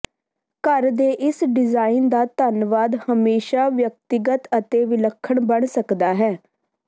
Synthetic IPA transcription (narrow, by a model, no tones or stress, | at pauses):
kəɾd̪eːʔɪsɖɪzaːɪnd̪aːt̪ənʋaːd̪həmeːʃaːʋjək̚t̪ɪɡət̪ət̪eːʋɪləkʰːəɳbəɳsəkd̪aːɦɛː